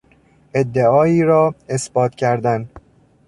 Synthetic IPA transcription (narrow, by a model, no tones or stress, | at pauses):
ʔed̪ːeɒːiːɾɒːesb̥ɒːt̪ʰcʰæɾd̪æn